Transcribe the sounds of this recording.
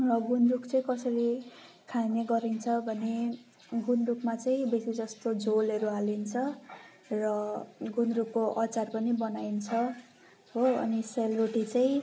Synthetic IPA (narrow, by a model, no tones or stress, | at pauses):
rʌɡunrukt͡sʌĩkʌsʌɾi | kʰajneɡʌɾint͡sʰʌbʱʌne | ɡunrukmat͡saĩbesid͡zʌst̪od͡zolʌɾualint͡sʰʌ | rʌɡunrukːoʔʌt͡sarpʌnibʌnajnt͡sʰʌ | ɦoʌ̰niselroʈit͡saĩ